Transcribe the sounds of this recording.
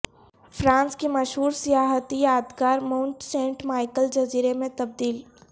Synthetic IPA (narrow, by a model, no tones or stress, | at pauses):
fɾãːnskimɐʃɦuːɾsijaːɦət̪ijaːd̪kaːɾmãʊ̃ɳʈsẽːɳʈmaːɪkəld͡ʒɐziːɾemẽt̪ɐb̚d̪iːl